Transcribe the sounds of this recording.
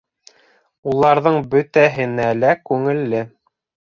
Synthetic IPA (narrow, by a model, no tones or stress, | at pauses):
ulˠɑɾðɤɴbɵ̆t̪æɦɘ̆nælækʉŋɘ̆lːɘ